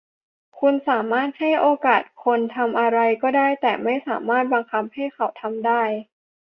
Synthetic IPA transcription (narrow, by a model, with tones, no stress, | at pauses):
kʰu˧nsaː˩˦maː˥˩t̪̚ha˥˩jʔoː˧kaː˨˩t̪̚kʰo˧nt̪ʰa˧mʔa˧ɾa˧jkɔː˥˩daː˥˩jt̪ɛː˨˩ma˥˩jsaː˩˦maː˥˩t̪̚baː˧ŋkʰa˧p̚ha˥˩jkʰa˨˩wt̪ʰa˧mdaː˥˩j